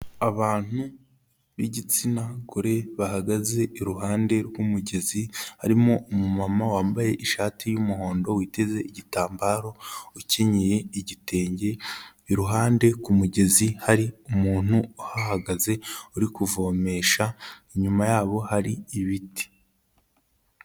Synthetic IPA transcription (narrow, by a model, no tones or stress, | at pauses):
aβaːn̥u | ɾḭɟit͡sinaɡuɾe̞βaɦaɡaze̞iɾuɦaːnde̞ɾwumuɟe̞zihaɾimo̞ʔːmumamawaːmbaje̞ʔiʃaːtʰijumuɦo̞ːndo̞wiːte̞ze̞iɟitaːmbaːɾo̞uceɲeje̞iɟite̞ːɲɟe̞ | iɾuɦaːnde̞kumuɟe̞zihaɾiumuːn̥uuhahaɡaze̞uɾikuvo̞me̞ʃaiɲumajaːβo̞haɾiːβiti̥